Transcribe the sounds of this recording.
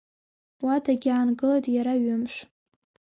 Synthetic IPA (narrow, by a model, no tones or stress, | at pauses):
wadaɡʲaːnɡɨlatʼjaɾaɥʊmʂ